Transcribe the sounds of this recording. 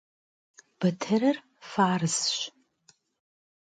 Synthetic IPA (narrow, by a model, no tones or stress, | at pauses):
b̥ɨtʰɨɾɨr | faːrɨzʃʷ